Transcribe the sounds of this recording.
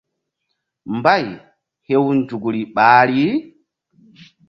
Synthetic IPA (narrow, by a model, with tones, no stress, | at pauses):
mba˦j | he˦wnd͡ʒu˨ɡɾi˨ɓaːɾi˦